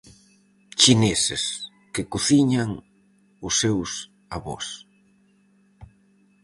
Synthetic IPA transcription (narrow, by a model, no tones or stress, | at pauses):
t͡ʃinɛsɪ̰s | kɪkuθiɲaŋ | ʊsːews | aβɔ̰s